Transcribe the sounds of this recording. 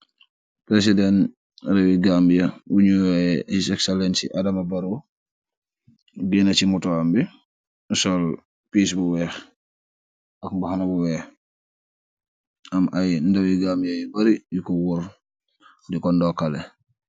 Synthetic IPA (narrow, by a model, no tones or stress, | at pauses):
pɾes̬idɛn | ɾɛwiɡambjɐwuɲujɛisɛkselɛnsiʔadɐmabɐɾu | binɐt͡ʃimutɔambi | sɔl | piːs̬buwɛx | ʔɐkmbuxanabuwɛː | ɐmʔajndɐwiɡambijajibɐɾijukɔwuɾ | dikɔndɔkalɛ